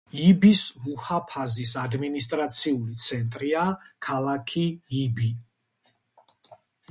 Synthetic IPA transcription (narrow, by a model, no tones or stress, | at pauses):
ibismuhapʰazisad̪minis̬t̪ʼɾat̪sʰiulit̪sʰɛnt̪ʼɾia | kʰalˠakʰiibi